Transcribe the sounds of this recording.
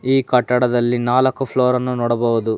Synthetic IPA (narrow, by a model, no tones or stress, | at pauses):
iːkɐʈːɐɽɐd̪ɐlːinaːlɐkːupʰloːɾɐnːunɔːɽɐbɔʋud̪u